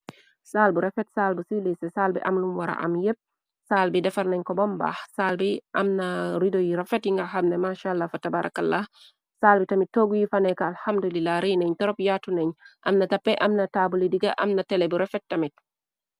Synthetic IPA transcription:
saːlbuɾɛfɛtsaːlbusilisɛsaːlbḭʔɐmnumwaɾa̰ʔɐ̰mjep̚ | saːlbidɛfaɾnɛɲkɔbɔmba̰ːhsaːlbiʔɐmnaɾidojiɾɛfɛtjiŋɡaxamnɛmaʃaːalːafatabaɾʔa̰kalːaː | saːlbitamit̚tːoɡujifanɛkaalhamdulilːaɾinɛɲtɔɾɔpjaːtunɛɲʔɐ̰mnatɐpːɛʔɐmnɐtaːbulidiɡa̰ʔɐmnɐtɛlɛbuɾɛfɛt̚tːamit̚

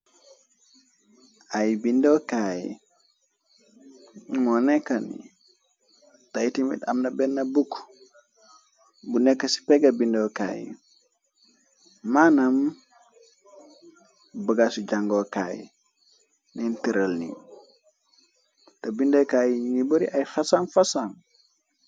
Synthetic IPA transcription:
ajbindɔkajḭ | mɔnɛkːanḭ | tajitimḭɗa̰mnabɛnːabukː | bunɛkːasi̥pɛɡabindɔka̰jḭ | manam | bəɡasuɟaŋɡoka̰jḭ | nintiɾəlnḭ | tabindokajiɲiŋiboɾiʔajfasanfasan

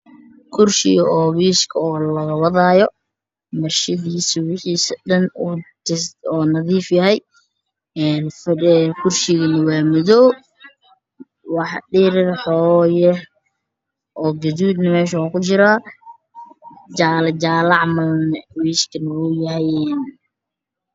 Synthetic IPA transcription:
kʰʊrʃɪ̰jɔːwiːʃkʰɐɔːlɐɣɐwɐðaːjɔ | mɐrʃɐðiːswɪħiːsɗɐnut̪ɪsɔːnɐðiːfjɐhɛj | ɛːnfkʰʊrʃɪɣɐnɐwɑːmʊðɔː | wɑħɗɪɾɪrħɔːjɛ | ʔɔːɡɐðuːd̪nɐmɛːʃ̬ɐwaːkʰʊt͡ʃɪɾaː | d͡ʒaːlɐd͡ʒaːlɑʕmɐlnɐwiːskʰɐnɐwʊjɐɦɛjɛːn

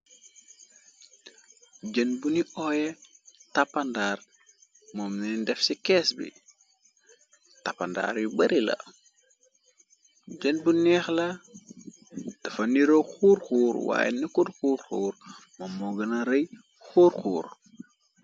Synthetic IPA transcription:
ɟɛnbuniʔɔjɛtapːɐndaːr | mɔmnindɛfsikɛːsbḭ | tapanda̰ːɾjibɐɾilɐ̰ | d͡ʒɛnbunɛːxlɐ | dɐfɐniɾoxuːɾxuːɾwa̰ːjɛ̰nikudxuːɾxuːɾmomːɔɡɐnɐɾɐj | xuːɾxuːɾ

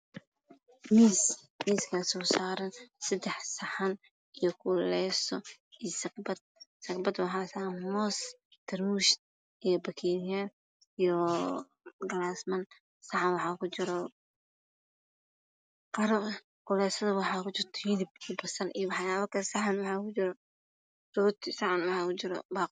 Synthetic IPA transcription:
miːs | miːskʰasɔːsaːɾɐnsɐd̪ɛħsɐħan | ijɔkʰʊlɛjsɔ | isɐkbɐd̪̚sɐkbɐd̪wɑħaːsamɔːs | t̪ʰɐrmuʃ | ijɔbɐkʰijɛr | ijɔ | ɡɐlaːsmɐn | sɐħanwɑħɑːkʰʊt͡ʃɪɾɔ | qɐɾɔ | kʰʊlɛjsɐðɐwɑħɑːkʊt͡ʃɪrt̪ʰɔ̥jɪdɪbibɐsɐrijɔwɑħjaːβɐkʰɐsɑħɑnwɑħɑːkʊt͡ʃɪɾɔ | sʊt̪ʰisɐʕanwɑħɑːkʊt͡ʃɪɾɔ̰baːq

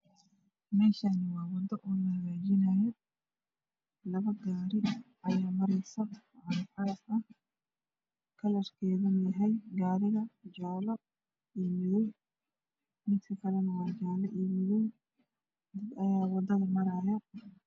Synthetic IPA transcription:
mɛːʃanɪwɑːwɐd̪ɐʔɔnɐɣaːd͡ʒɪnajɛ | lɐβɐɡaːɾɪ | ɐjaːmɐɾɛsɐ | ɐɾħaːsɐh | kʰɐlɐrkʰɛːðɐnjɐɦɛjɡaːɾɪɣɐd͡ʒaːlɐ | iːmɪjɛj | mɪt̪kʰɐkʰɐlɛnɐwaːd͡ʒaːlɐʔiːmɪjɛj | d̪ɐd̪ɐjaːwɐd̪ɐðɐmɐɾaːjɐ

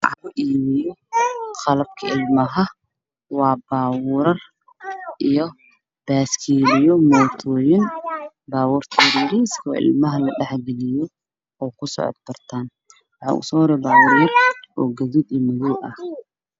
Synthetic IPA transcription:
ʕɑ̰ʔiːmɪjɔqɑlɐb̚kʰɐʔɪlmɐɦɐ | wɑːbaːwʊɾɐr | ʔijɔ | b̥aːskʰiːlɪjɔmɔːt̪ʰɔːjɪn | baːwurt̪ʰɛːɾiːɾiːskʰɔːʔɪ̰lmɐɦɐlɐɗɛħɡɛlɪjɔ | ɔːkʰʊsɔ̰ʕɔ̰d̪̚bɐrt̪ʰaːn | wɑħɑ̰ːʔʊ̰sɔːhɾɛːbaːwʊːɾɛjɐd̪ʔɔːɡɐðud̪imɐðuːʔɐ̰h

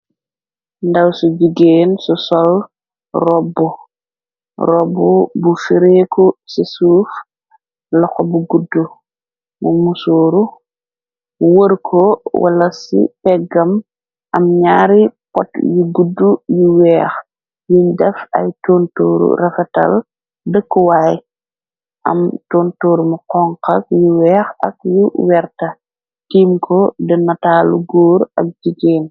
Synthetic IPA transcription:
ndɐwsuɟuɡeːnsɔsɔl | rɔbːɔ | rɔbːɔbufiɾekɔsisuːf | lɔxɔbuɡudːu | mumusoːɾu | wəɾkʰɔwa̰lɐsḭpɛɡɐm | ʔɐmɲaːɾipɔtjuɡudːujuwɛːx | jundɛfɐ̰jtoːntoːɾṵrɐfɛtɐ̰l | dəkːuwaːj | ʔɐ̰mtoːntoːɾmuqɔŋqɐk̚juwɛːxɐk̚juwɛɾtɐ | tiːmkʰɔdɐnɐtaːluɡoːɾɐ̰k̚d͡ʒiɡeːn

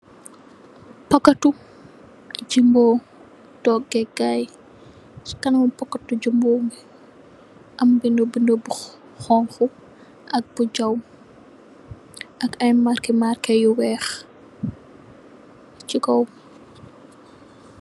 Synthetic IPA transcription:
pɐkːɐtːu | d͡ʒimboː | tɔɡɛɡaːj | skɐnmupɐkːɐtːud͡ʒimboːmi | ʔɐmbindobindobu | xɔŋxu | ʔɐk̚b̥ud͡ʒɐw | ʔɐkɐjmarkimarkɛjuwɛːx | t͡ʃikɔw

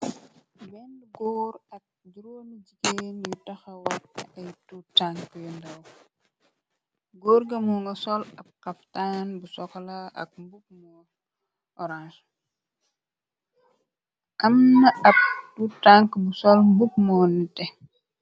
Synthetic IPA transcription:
bɛndɡɔːɾɐk̚duɾoːnid͡ʒikenjutɐxɐwɐtɐɐjtutaŋkjundɐw | ɡoːɾɡɐmɔŋɡɐsɔlɐp̚kɐftaːnbusɔklaɐ̰k̚mbuk̚mɔ | ʔɔɾans | ʔɐmnɐɐp̚tutaŋkbusɔlmbuk̚mɔnitɛ

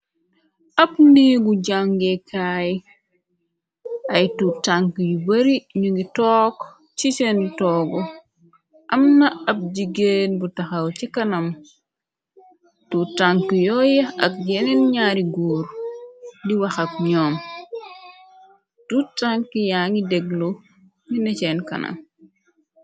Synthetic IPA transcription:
ɐpniːɡuɟaŋɡekʰaj | ʔɐjtutaŋkjubɐɾiɲuŋɡitɔːk | t͡ʃit͡ʃentɔːɡu | ʔɐmnɐɐp̚ɟiɡenbutaxawt͡ʃikɐnɐm | tutaŋkjɔːjɛɐ̰k̚ɟenenɲaːɾiɡuːɾ | diwɐxɐk̚ɲɔːm | tutaŋkijaːŋidɛɡlo | ŋinɛt͡ʃɛnkɐ̰nʔɐ̰m

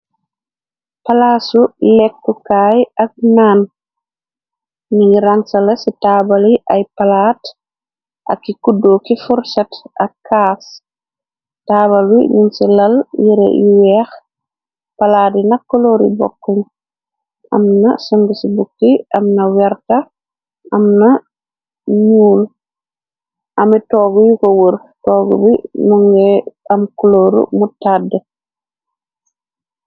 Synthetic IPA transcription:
palaːsulɛk̚ːukaːjɐk̚naːn | niɾaŋsɐlɛsitaːbaliʔajpalaːt | ʔɐ̰kːikudːoːkifuɾsatɐkʰːaːs | taːβalḭɲinsilɐljiɾɛ̰iwɛːx | palaːdinɐkːɔloːɾḭbɔ̰kːɔɲ | ʔɐ̰mna̰sɔŋɡisibuk̚tiʔɐmnɐwɛɾta | ʔɐmnɐ | ɲuːl | ʔɐmitɔːɡujikɔwəɾ | tɔːɡṵbinɔŋɡɛɐmkɔloːɾṵmutadːə

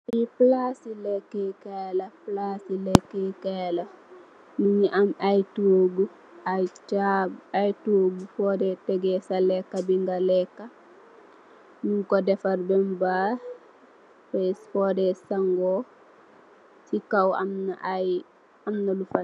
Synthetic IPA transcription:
iplasilɛkːekelɐplasilɛkːekelɐ | nuɲiʔamajtuoɡu | ajt͡ʃabajtoːɡufɔːdɛtɛɡɛsalɛkːabiŋɡalɛkːa | nuŋkɔdɛfarbɛmbaː | fɛsfɔːdɛsaŋɡɔː | sikawa̰mnaj | amnalufa

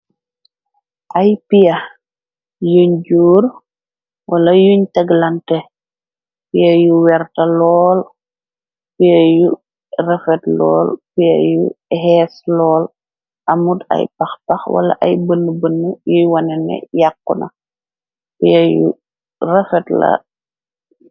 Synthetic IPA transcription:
ʔajpijɐ | juɲɟuːr | wʔɐlɐjuɲtɐɡlɐntɛ | pijɐjuwɛrtɐlɔːl | pijɐju | rɛfɛtlɔ̰ːlpijɐ̰juhɛːslɔːl | ʔɐmudɐ̰jpɐxpɐxwɐ̰lɐ̰ʔɐjbənːəbənːujujwɐnɛnɛ̰jakːunɐ̰ | pijɐjṵ | rɛfɛtlɐ̰

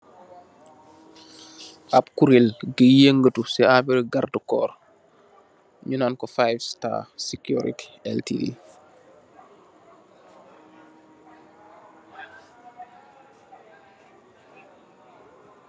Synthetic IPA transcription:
ʔap̚kuɾilɡəjeŋɡətusɛabɛɾɡardəkɔ̰ːr | ɲunankɔfajvsta̰ːsikjṵɾḭti̥ɛltḭdḭ

